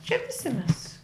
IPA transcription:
ʃʲɛɪp ʋʲɪˈsʲɪ mʲɛs

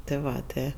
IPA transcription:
tɜ ˈʋɐ ˈtɜ

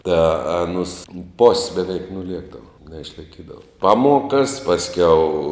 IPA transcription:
tɑː ɐˈnʊs poːsʲ bʲɛˈʋʲɛɪk nʊˈlʲiɛɡdɐʋoː nʲɛɪʃlˠɐɪˈkʲiːdɐʋoː ˈpɑːˌmuɔkɐs pɐsʲˈkʲɛʊ

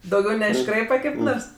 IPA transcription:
dɐʊˈɡʲɛʊ nʲɛɪʃˈkrɐɪpɐ kɐɪp ˈnoːrs

